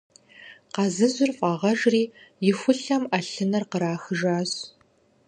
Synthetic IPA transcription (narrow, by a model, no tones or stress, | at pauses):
qɑzɨzʊrfʼɑʁɐʒriːjɪxʷʊɬɐmʔɐɬɨnɐrqəɾaːxɨʒaːz